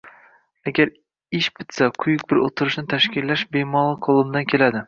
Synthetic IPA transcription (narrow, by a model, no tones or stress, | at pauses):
aɡʲaɾ | ɪʃbɪt̪saqʰʊjʊk̚ʲbɪɾot̪ʰʊɾɪʃnɪt̪ʰaʃkʲɪlːaʃbemɒlˠɨqʰolˠɪmd̪ankʲʰe̞lad̪ɪ